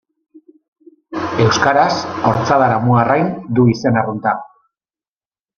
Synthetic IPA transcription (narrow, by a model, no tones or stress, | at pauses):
e̞wskaɾaso̞ɾt͡saðaɾamuarajnd̪uise̞narunt̪a